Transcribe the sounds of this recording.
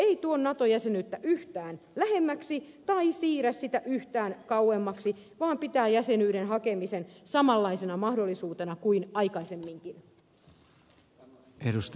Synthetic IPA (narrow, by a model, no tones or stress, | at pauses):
eit̪uonːɑt̪ojæsenyt̪ːæʔyht̪æːnlæhe̞mːæksit̪ɑisiːɾæssit̪æʔyht̪æːnkɑuemːɑksiʋɑːmpit̪æːjæsenyːɾenɦɑkemisensɑmɑlːɑisenɑmɑhdolːisuːt̪enɑkuinɑikɑisemːiŋkin | edust̪